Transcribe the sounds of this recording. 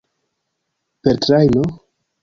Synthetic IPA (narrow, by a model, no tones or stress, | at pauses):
peɾtɾajno